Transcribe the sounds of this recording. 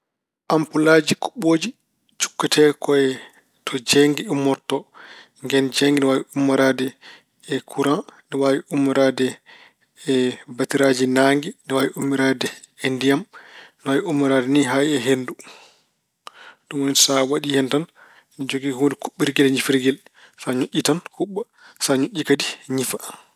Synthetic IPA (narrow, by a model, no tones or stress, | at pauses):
ʔampulad͡ʒiku̥ɓoːd͡ʒi | t͡ʃu̥kːatʰɛkɔɛ | tʰɔd͡ʒɛŋɡiumːɔɾtɔ | ŋɡɛnd͡ʒɛŋɡinɛwawiumːaɾadɛː | kʰuɾandɛwawiʔumːiɾadɛ | batiɾad͡ʒinaŋɡinɛwawiumːiɾadɛ | endijamnɛwaːwiumːaɾadɛniɦaiɛɦendu | ɗumwonisawaɗihɛntan | nid͡ʒoɡihondikuɓːiɾɡɛlɲifiɾɡɛl | saɲuʔʲːitanhuɓːa | saɲuʔʲːikadiɲifa